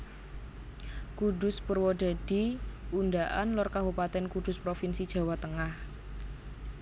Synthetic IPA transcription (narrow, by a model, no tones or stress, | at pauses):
kudʊspurwɔd̥a̤d̥iundaʔanlɔrkabupat̪ɛnkud̥ʊ̤spɾofinsid̥ʒ̥a̤wat̪əŋah